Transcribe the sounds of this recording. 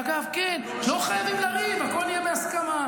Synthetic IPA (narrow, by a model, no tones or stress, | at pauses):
aɡavken | loχajavimlaʁimakolijebeaskama